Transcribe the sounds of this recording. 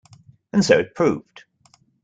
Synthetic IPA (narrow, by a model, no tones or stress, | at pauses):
ɨ̃n̩soʊɨt̚pʰɹ̥ʉvd̥